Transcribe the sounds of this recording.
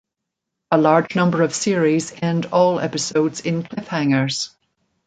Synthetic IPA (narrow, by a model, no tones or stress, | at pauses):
əlaɹd͡ʒnʌ̃mbə˞ʌv̥siɹizɛ̃ndɔːlˠɛ̰pɪsoʊdz̥ɪ̃nkʰl̥ɪfhãŋə˞z̥